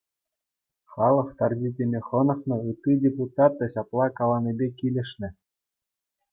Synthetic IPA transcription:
χɑlˠɤ̆χt̪ɑrʑʲidʲemʲeχɤ̆nɤ̆χnɤ̆ɯt̪ːidʲeput̪ɑt̪ːɘ̆ɕɑplˠɑkɑlˠɑnʲibʲekʲilʲɘ̆ʂnʲɘ̆

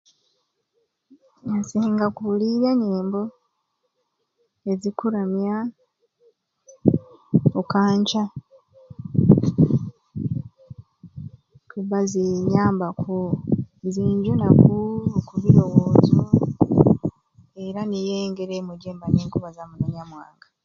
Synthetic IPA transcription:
nasiːŋɡakuliɾaɲeːmbo | ezikuɾamja | okaːɲca | kuβaziɲaːmbakʰonziːɲɟonakukuβiɾo̞woːziu | e̞ɾanijeːŋɡe̞ɾemuɟeːmbaneːŋkuβazamuneɲamwa̰ːŋɡa

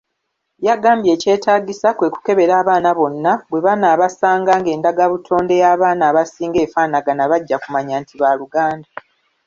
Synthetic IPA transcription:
jaɡaːmbje̞ːce̞ːtaːɟisakwe̞ːku̥ke̞βe̞ɾaːβaːnaβo̞nːaβwe̞βanaːβasaːŋɡaːŋɡe̞ːndaɡaβutʰo̞ːnde̞jaːβaːnaːβasiːŋɡe̞ːfaːnaɡanaβaɟːakumaɲaːntʰiβaluɡaːnda

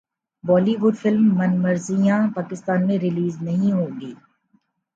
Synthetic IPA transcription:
bɔːliʋʊɖfɪlmːɐnmɐɾzijãpaːkɪst̪aːnmẽɾɪliːznɐɦĩɦõːŋɡiː

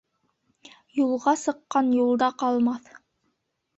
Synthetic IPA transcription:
julˠʁɑsɤ̆qːɑnjulˠd̪ɑqɑlˠmɑθ

